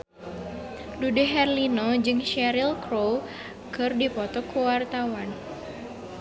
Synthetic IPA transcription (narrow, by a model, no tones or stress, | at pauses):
dudeɦɛrlinod͡ʒɨŋʃɛɾilkɾo | kɨrdipɔt̪ɔkuwart̪awan